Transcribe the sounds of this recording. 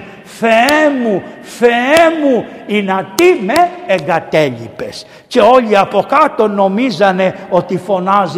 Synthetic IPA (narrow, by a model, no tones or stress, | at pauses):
feɛmufeɛmuinat̪imɛɛɡat̪ɛʎḭpes | t͡ʃɛɔʎiapɔkat̪onomizaneɔt̪ifonaz